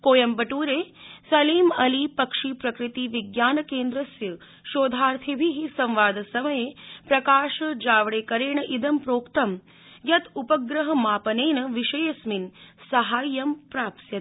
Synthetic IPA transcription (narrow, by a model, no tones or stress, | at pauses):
koːjɐmbɐʈuːɾeːsɐliːmɐlipɐkʂiːpɾɐkɾit̪iʋiɡjaːnɐkeːnd̪ɾɐsjɐ | ʃoːd̪ʱaːɾt̪ʰibʱiɦisɐ̃mʋaːd̪ʱɐsɐmɐjepɾɐkaːʃɐd͡ʒaːʋɽeːkɐɾeːɳɐʔid̪ɐmpɾoːkt̪ɐm | jɐt̪upɐɡɾɐɦɐ̆maːpɐneːnɐʋiʃɐjɐsminsɐɦaːjːɐmpɾaːpsjɐt̪